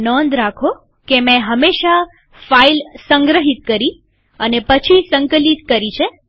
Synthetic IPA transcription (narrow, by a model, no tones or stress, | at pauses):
nɔnd̪ɾakʰo | kemɛ̃ɦəmeʃa | failsəŋɡɾəɦit̪̚kəɾi | ənepət͡ʃʰisəŋkəlit̪kəɾit͡ʃʰe